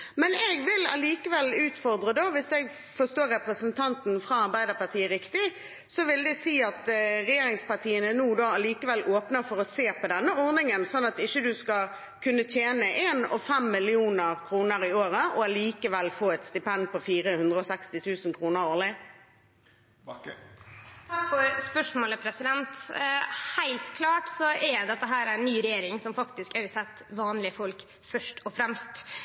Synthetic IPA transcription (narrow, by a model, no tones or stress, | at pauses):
mɛnɛɡʋɪlɑ̰liːkəʋɛlʉːt̪fɔʁd̪ʁəd̪oːʋɪsɛɡ | fɔst̪oːɾɛpʁəsənt̪ʰɑnt̪n̩fɾɑɑʁbæɪd̪əpɑt̪ʰiːəɾɪkt̪ɪ | sɔʋɪld̪ɛsiːɑt̪ʁɛjeːɾɪŋspɑt̪ʰiːənənuːd̪oːɑliːkəʋɛlːʔoːpnəfɔɾɔseːpʰɔd̪ɛnːəɔʁnɪŋənsɔnːɑt̪ɪçːəd̪ʉskɑ | kʰʉnːət̪ʰjeːnəʔeːnɔ̰fɛmːɪlɪuːnəʁkʰɾuːnəɾɪoːʁəʔɔliːkəʋɛlfoːɛt̪st̪ɪpɛnd̪pʰɔfiːɾəhʉnd̪ʁəɔsɛkst̪ɪt̪ʰʉːsn̩kʰɾuːnəɾoːʁlɪ | t̪ʰɑkfɔɾspœʂmoːləpʰɾɛsɪd̪ɛnt̪ | hæɪlt̪kʰlɑːʈsɔʔɛd̪ɛt̪ːəɦæːɾænːyːɾɛjeːɾɪŋsɔmfɑkt̪ɪskæsɛt̪ːʋɑːnlɪəfɔlk | fœʂʈʰɔfɾɛmst̪